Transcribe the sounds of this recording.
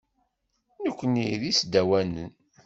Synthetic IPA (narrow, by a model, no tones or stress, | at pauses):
nəkʷːəniðisd̪æwænə̰n